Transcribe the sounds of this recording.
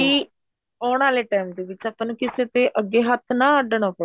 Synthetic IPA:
iː | ɔːɳaːleːʈɛːmd̪eːʋɪt͡ʃaːpãːnːkɪseːt̪eːʔəɡːeːɦət̪ʰnãːəɖəɳãːpə

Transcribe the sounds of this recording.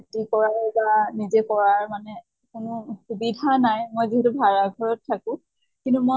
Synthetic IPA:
tikɔɹaɹbanizɛkɔɹaɹmanɛ | kʊnʊxubidʱanajmojziɦɛtubʱaɹaɡʱɔɹɔtʰːakʊ̃ | kintumo

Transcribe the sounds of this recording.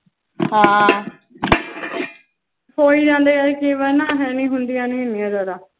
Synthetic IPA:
hãː | soːiːd͡ʒãːnd̪eːɛːkɪʋənãːɦɛːnĩːɦʊnd̪ijaːnĩːnĩãːd̪aːɾaː

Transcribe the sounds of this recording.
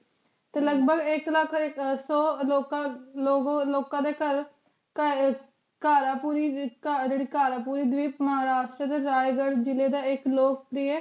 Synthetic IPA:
t̪eːləɡbəɡɪkləkʰsɔːloːkãloːɡloːkãːd̪eːkəɾ | kaːɾaːpuːɾikad͡ʒeɽiːkaːɾaːpuːɾiːd̪ʋiːməɦaːɾaːʃʈɾəd̪eːɾaːjɡəɽd͡ʒɪleːd̪aːɪkloːk̚pɾieː

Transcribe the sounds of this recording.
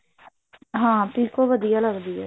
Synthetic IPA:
ɦãːp̪iːkoːʋəd̪ijaːləɡd̪iːɛː

